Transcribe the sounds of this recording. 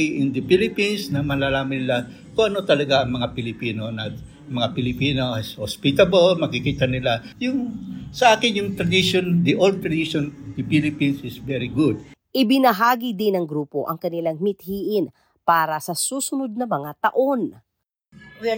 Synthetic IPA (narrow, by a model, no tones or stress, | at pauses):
ʔɪnd̪ɐpilɪpinsnɐmɐlaːlaːmɐnɪla | koŋʔɐno̞t̪ɐlɐɡaʔɐŋmɐŋapɪlɪpiːnonɐ | mɐŋapɪlɪpiːnoʔshospit̪ɐbolmɐkɪkiːt̪ɐnɪlajʊŋsɐʔaːkɪnjʊŋt̪ɾɐd̪ɪʃond̪iʔold̪̚ɾɐd̪iʃond̪ɪpilɪpinsɪsvɛɹɪɡud̪̚ʔɪbɪnɐɦaːɡid̪ɪnɐŋɡɾuːpo̞̰ʔɐ̰ŋkɐnɪlaŋmɪt̪̚hiːʔɪn | paːɾɐsɐsuːsʊnod̪̚nɐmɐŋat̪ɐʔo̞n